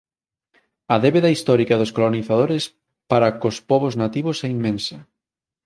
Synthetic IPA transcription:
ɐðeβeðɐist̪ɔɾikɐðoskoloniθaðoɾes | paɾɐkospɔβoznat̪iβʊsɛimːẽnsɐ

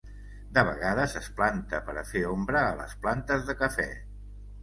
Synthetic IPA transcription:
d̪əβəɣaðəsəsplant̪əpəɾəfeombɾəːlə̰splant̪əzðəkəfɛ̰

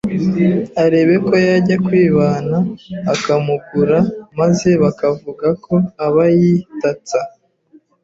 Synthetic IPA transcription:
aɾe̞ːβe̞ko̞jaɾɟakwiːβaːnaːkamuɡuɾamaze̞βakavuɡakʰo̞aβajitat͡sa

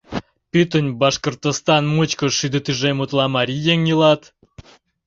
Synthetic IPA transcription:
pʲyt̪ənʲbɑʃkort̪ost̪ɑnmɨt͡ɕkə̆ʃyd̪ət̪yʒemut̪lˠɑmɑɾʲijeŋjɯlˠɑt̪

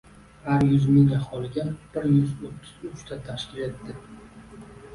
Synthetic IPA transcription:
haɾjʊzmɪŋaχɒlɪɡʲab̥ɪɾjʊzot̪ʰːɪ̥zʊt͡ʃt̪ʰat̪ʰaʃkʲɪle̞t̪ːɪ

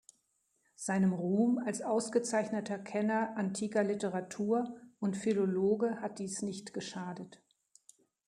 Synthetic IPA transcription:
z̥aɪnəmʁuːmalsʔaʊsɡ̥ət͡saɪçnətɐkʰɛnɐʔantʰiːkɐlɪtəʁatʰuːɐʔʊntfiloloːɡəhat̚d̥iːsnɪçtɡ̥əʃaːdət

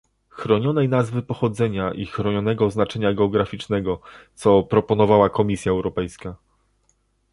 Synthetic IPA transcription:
xɾɔɲɔnɛjnazvɘpɔxɔd̪zɛɲaʔixɾɔɲɔn̪ɛɡɔznat͡ʂɛɲaɡɛɔɡɾafʲit͡ʂnɛɡɔt̪sɔpɾɔpɔn̪ɔvawakɔmʲisʲjaɛwɾɔpɛjska

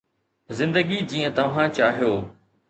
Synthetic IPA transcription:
zɪ̃nd̪əɡid͡ʑĩːə̃t̪ɐʋ̤ãt͡ɕaːɦijoː

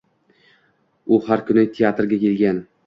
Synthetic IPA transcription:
ʊhaɾkʰʊnɪt̪ʰeat̪ɾɡʲakʲe̞lɡʲan

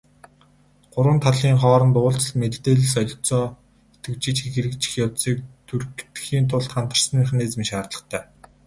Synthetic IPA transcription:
ɢ̥ʊɾwə̆nt̪ʰaɮiːŋχɔːɾə̆nt̪ʊːɬt͡sə̆ɮmett̪eːɮɘ̆sœɮ̆ʲt͡sɔː | et̪ɡɘ̆wt͡ɕɪ̆t͡ɕxixeɾɘ̆k̚t͡ɕɪ̥̆xjɔsiːk̚t̪ʰurkt̪xiːnt̪ʰʊɮt̪χant̪ə̆r̥sə̆niχneːt͡sɘ̆miʃaːrt̪ɮə̆χt̪ʰæː

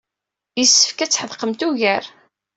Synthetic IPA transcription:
jəsːə̥fkæt͡sːħəðˤqəmt̪uʝəɾ

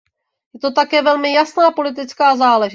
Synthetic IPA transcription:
jɛt̪o̞t̪akɛːvɛlmɪjasnaːpo̞lɪt̪̬ɪt͡skaːzaːlɛʒɪ

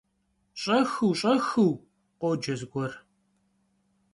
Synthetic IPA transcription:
ɕʼɐxɨwɕʼɐxɨw | qʷod͡ʒɐzɡʷɔr

